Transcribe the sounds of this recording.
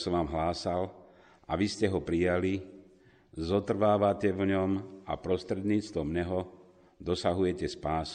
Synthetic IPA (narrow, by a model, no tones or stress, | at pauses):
sɔʋaːmɦlaːsal | aʋiscɛɦɔpɾijali | zɔt̪r̩ʋaːʋacɛʋɲɔma̰pɾɔst̪ɾɛd̪ɲiːt͡st̪ʋɔmɲɛɦɔ | d̪ɔsaɦujɛcɛspaːsu